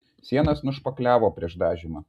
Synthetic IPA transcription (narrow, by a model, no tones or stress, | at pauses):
sʲiɛnɐsnʊʃpɐklʲæːʋoːpʲɾʲiɛʃd̪ɑːʒʲɪmɐ